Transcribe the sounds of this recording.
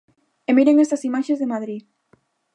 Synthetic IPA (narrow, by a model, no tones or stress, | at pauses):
emeɾeŋest̪ɐsimaʃezðemaðɾi